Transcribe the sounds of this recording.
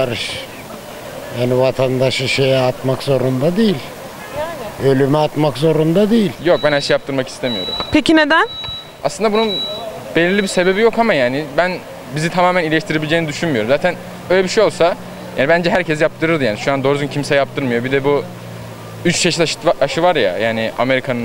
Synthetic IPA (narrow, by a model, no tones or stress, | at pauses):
aɾɯʃ | jaːnivat̪ʰand̪aʃɯʃe̞jɛat̪makzo̞ɾund̪ad̪ejilʲ | ølʲymɛat̪makzo̞ɾund̪ad̪ejilʲjo̞k̚bænhæɾʃejap̚t̪ʰɯɾmaki̥st̪ʰemijo̞̰ɾṵmpʰecined̪æn | aslɯnd̪abunun | b̥elʲiɾlʲibise̞be̞bijo̞kʰamajaːnɪbæn | bizit̪ʰamaːmænilʲeʃt̪ʰiɾe̞bilʲed͡ʒeːnid̪yʃynmyjo̞ɾumzaːt̪ʰæn | øjlʲebiʃejo̞lˠsa | ja̰ːnibænd͡ʒɛɦæɾcʰɛsjap̚t̪ʰɯɾɯɾd̪ɯjaːniʃuand̪oɾzuncʰimsɛjap̚t̪ʰɯɾmɯjo̞bid̪ɛbu | yt͡ʃt͡ʃʰeʃit̪aʔaʃɯvaɾja̰jaːnɪa̰me̞ɾikʰanɯn